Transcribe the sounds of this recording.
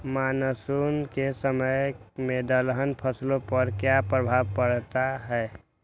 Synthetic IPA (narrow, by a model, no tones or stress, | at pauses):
manəsunkesəməjmẽd̪əlɦənpʰəslõpəɾkjapɾəbʱaʋpəɽt̪aɦɛ